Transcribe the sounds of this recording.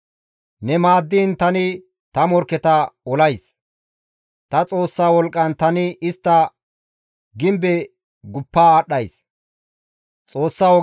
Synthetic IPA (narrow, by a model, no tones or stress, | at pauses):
nɛmaːd̪ːiːnt̪ɐnɪ | t̪ɐmɔɾkːɛt̪ɐɔlɐjs | t̪ɐt͡sʼo̞ːsːaːwɔlkʼːɐnt̪ɐnɪɪst̪ːɐ | ɡɪmbɛ | ɡʊpːaːɗːɐjs | t͡sʼo̞ːsːaːwɔ